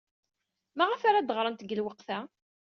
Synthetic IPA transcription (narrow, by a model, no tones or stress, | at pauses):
mæʁəfaɾad̪əʁɾˤənt̪əɡəlwəqθæ